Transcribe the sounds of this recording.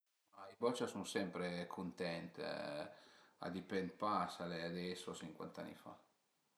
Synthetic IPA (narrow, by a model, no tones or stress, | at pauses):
aibɔt͡ʃasuŋsɛmpɾekʰunt̪ɛnt̪ | a̰d̪ipɛn̚pasalead̪ɛsot͡ʃiŋkwa̰nt̪a̰nːḭfa̰